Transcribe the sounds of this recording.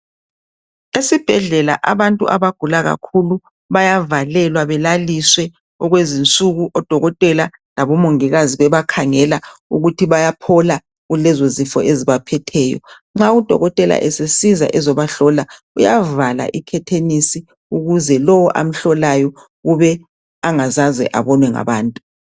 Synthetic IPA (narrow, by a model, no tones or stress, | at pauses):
esib̥ʱɛɮɛla̰ʔaβantʼṵʔaβaɡ̥ʱulaɣa̰kʰulu | βajavalɛlwaβɛlaliswɛ | ɔɣwezint͡sʼuɣuʔɔd̥ʱɔɣɔtʼɛla | laβɔmoŋiɣaziβɛβakʰaŋɛlauɣutʰiβajapʰɔla | ɣulɛzozifɔeziβapʰɛtʰɛːjɔ̰ | ŋ͡ǁaud̥ʱɔ̰ɣɔtʼɛla̰ʔɛsesiza̰ʔɛzɔβaɬɔla | ujavala̰ʔikʰɛtʰenisi | uɣuzɛlɔwɔʔa̰m̩ɬɔlajɔ | ɣuβɛ | aŋazazɛ̰ʔa̰βɔnwɛŋa̰βaːntʼu